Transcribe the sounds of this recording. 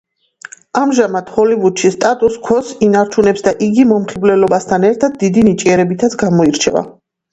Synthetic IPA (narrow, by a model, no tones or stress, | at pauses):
amʒamad̪̥hɔlivud̪ʃist̪ʼat̪ʼuskʰɔsinaɾt͡ʃʰunɛpsd̪aʔiɡimɔmχiblɛlɔbast̪ʰanɛɾt̪ʰad̪̚d̪id̪init͡ʃʼiɛɾɛbit̪ʰat̪sʰɡamɔiɾt͡ʃʰɛva̰